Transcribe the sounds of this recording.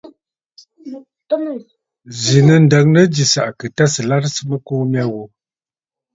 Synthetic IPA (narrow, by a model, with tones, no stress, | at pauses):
zi˨nə˨n̩˨də˨ŋnə˦d͡ʒi˨sa̰˨ʔkɨ˨ta˦sə˨la˦ɾsɨ˦mə˦koː˦mja˦wo˨